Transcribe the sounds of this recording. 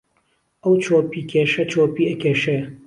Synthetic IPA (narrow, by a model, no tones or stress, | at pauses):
ʔɐwt͡ʃʰoːpiːkʰeːʃɐt͡ʃoːpiːɐkʲʰeːʃe